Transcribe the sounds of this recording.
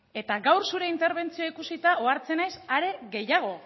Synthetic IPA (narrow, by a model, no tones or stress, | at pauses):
e̞t̪aɡawɾsuɾe̞int̪e̞ɾβ̞e̞nt͡sioikusit̪aoaɾt͡se̞najsaɾe̞ɣe̞jaɣ̞o̞